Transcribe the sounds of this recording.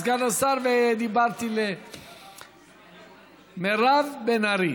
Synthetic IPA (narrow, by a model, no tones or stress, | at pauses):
ɡanasaɾveed̪ibaɾt̪ile | meravbenaɾi